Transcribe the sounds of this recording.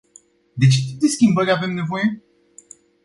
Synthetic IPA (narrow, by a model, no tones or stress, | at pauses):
d̪e̞t͡ʃe̞t̪ip̚d̪e̞skʲimbəɾʲave̞mne̞vo̞je̞